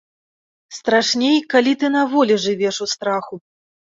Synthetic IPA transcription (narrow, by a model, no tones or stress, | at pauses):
st̪ɾaʂnʲejkalʲit̪ɨnavɔlʲiʐɨvʲɛʂust̪ɾaxu